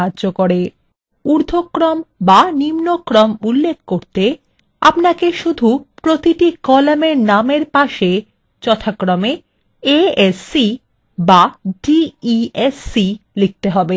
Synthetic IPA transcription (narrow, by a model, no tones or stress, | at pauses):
aʑokoɾe | uɾd̪ʱokːɾɔmbanimnokːɾɔmulːek̚ʰkoɾt̪e | a̰pnakeʃud̪ʱupɾot̪iʈikɔlameɾnameɾpaʃe | t͡ɕɔt̪ʰakːɾɔme | eesi | baɖiiesilik̚t̪eɦɔbe